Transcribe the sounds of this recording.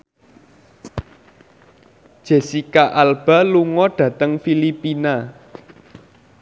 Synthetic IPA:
d̥ʒ̥e̤sikaʔalb̥a̤luŋɔɖ̥ä̤t̪əŋfilipina

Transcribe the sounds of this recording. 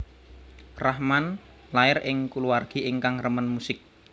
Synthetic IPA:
rahman | laɪrɪŋkuluarɡ̥i̤ɪŋkaŋrəmənmusɪk̚

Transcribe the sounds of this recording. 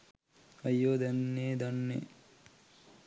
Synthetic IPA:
ɐjːoːd̪ɐnːeːd̪ɐnːḛ

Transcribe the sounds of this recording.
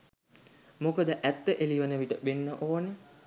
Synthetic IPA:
mokəd̪əʔæt̪ːəʔeliʋənəʋiʈəbenːəʔoːnə

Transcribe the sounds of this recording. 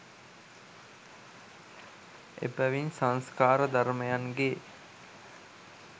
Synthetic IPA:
ḛpæʋinsãnskaːɾəd̪aɾməjaŋɡe

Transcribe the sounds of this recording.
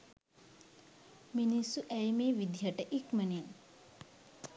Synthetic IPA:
minisːuʔæjmeːʋid̪ʱijaʈəʔikmənin

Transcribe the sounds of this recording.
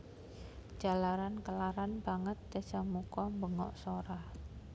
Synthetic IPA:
d͡ʒʒ̥a̤laɾankəlaɾanb̥aŋət̪̚ːesamukɔmbəŋɔ̰ʔsoɾah

